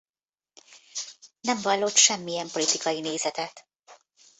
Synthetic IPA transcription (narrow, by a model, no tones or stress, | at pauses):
nɛɱvɒlːot̪ʃɛmːijɛmpo̞lit̪ikɒjineːzɛt̪ɛt̪